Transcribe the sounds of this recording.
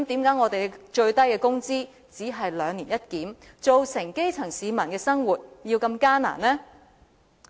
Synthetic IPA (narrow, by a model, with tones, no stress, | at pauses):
kmt̪iː˨˥mkaː˨˥jŋɔː˨˧t̪e˨jt͡ʃɵ˧ɥt̪ɐ˥jkɛː˧kʊ˥ŋt͡siː˥ | t͡siː˨˥ɦɐ˨jlœː˨˧ŋniː˨˩njɐ˥t̚kiː˨˥m | t͡so˨wsɪ˨˩ŋke˥jt͡sʰɐ˨˩ŋsiː˨˧mɐ˨˩nkɛː˧sɐ˥ŋwuː˨˩t̚jiː˧wkɐ˧mkaː˥na̰ː˨˩nnɛː˥